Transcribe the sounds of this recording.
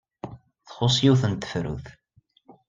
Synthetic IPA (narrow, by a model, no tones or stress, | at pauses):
θχʊsˤjiwθənt̪ə̥fɾṵθ